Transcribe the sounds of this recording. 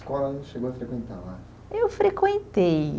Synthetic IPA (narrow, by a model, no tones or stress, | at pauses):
kɔlɐ̃ʃeɡowɐfɾekwẽnt̪a̰ɾla | ewfɾekwẽnt̪ej